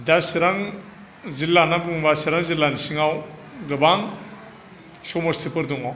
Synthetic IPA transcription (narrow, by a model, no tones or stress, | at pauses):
dasiɾaŋ | zilːanabuŋbasiɾaŋzilːanisiŋawdɯbaŋ | sɔmɔstipɯɾdɔŋɔ